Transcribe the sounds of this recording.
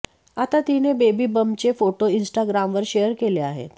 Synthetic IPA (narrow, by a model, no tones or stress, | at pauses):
at̪at̪inebebiːbəmt͡ɕefoʈoinsʈaɡɾamʋəɾɕejəɾkeleaɦḛt̪